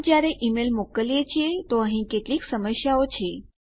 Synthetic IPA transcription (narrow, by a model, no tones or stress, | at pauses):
d͡ʒjaɾeʔimelmokəlijet͡ʃʰiet̪oəɦĩkeʈliksəməsjaot͡ʃʰe